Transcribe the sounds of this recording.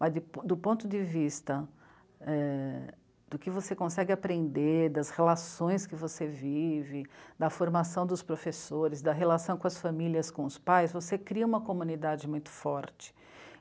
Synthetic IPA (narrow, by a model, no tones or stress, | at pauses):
mɐzd̪ɪpd̪ʊpõnt̪ʊd͡ʒ̪ɪvist̪ɐ | ɛ | d̪̥ʊkɪvosekõsɛɡɪapɾẽnd̪eɾd̪ɐshelasõj̃skɪvosevivɪd̪ɐfoɾmasɐ̃w̃d̪ʊspɾofesoɾɪzd̪ɐɦelasɐ̃w̃kõɐsfamiliɐskõʊspajzvosekɾiɐũmɐkomũnid̪ad͡ʒɪmũj̃t̪ʊ̥fɔɾt͡ʃɪ̥